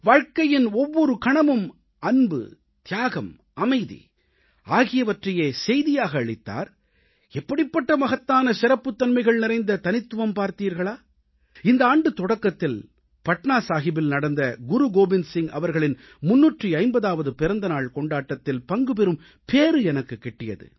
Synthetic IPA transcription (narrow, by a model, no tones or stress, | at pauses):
ʋaːɻkɐjɪnɔʋːɔɾɯkɐɳɐmɯm | ɐnbɯ̰ | t̪ɪjaːɣɐm | ɐmɐɪðḭ | aːɣɪjɐʋɐʈrɐjeːsɛjðɪjaːɣɐːɭɪt̪ːa̰ːɾ | ɛpːɐɽɪpːɐʈːɐmɐɣɐt̪ːaːnɐsɪɾɐpːɯt̪ːɐnmɐɪɣɐɭnɪɾɐɪnd̪ɐt̪ɐnɪt̪ːɯʋɐmpaːɾt̪iːɾɣɐɭaː | ɪnd̪ɐaːɳɖɯt̪ɔɽɐkːɐt̪ːɪl | pɐʈɳaːsaːɣɪbɪlnɐɽɐnd̪ɐɡʊɾuɡoːbɪnsɪŋɐ̰ʋɐɾɣɐɭɪn | mʊnːuːʈriɐɪmbɐðaːʋɐðɯpɪɾɐnd̪ɐnaːɭkɔɳɖaːʈːɐt̪ːɪlpɐŋɡɯpɛɾɯm | peːɾɯɛnɐkːɯkːɛʈːɪjɐ̰ðɯ̰